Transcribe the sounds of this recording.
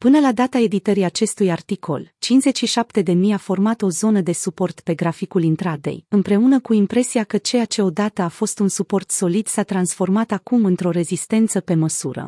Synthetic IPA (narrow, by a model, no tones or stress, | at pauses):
pɨnəlad̪at̪ae̞d̪it̪əɾiat͡ʃe̞st̪ujart̪ikʰo̞̰lt͡ʃinze̞t͡ʃʲʃiʃap̚t̪e̞d̪e̞mijafo̞rmat̪o̞zo̞nəd̪e̞supo̞rt̪pe̞ɡɾafikulint̪ɾad̪e̞̰jɨmpɾe̞unəkuimpɾe̞siakət͡ʃe̞at͡ʃe̞o̞d̪at̪əafo̞st̪unsupo̞rt̪so̞lid̪sat̪ɾansfo̞rmat̪akumɨnt̪ɾo̞ɾe̞zist̪e̞nt̪səpe̞məsuɾə̰